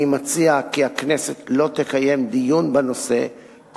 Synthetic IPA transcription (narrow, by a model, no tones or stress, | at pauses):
imat͡siakiakneset̪lo̞t̪ekaje̞md̪ijunbano̞se̞̰ | k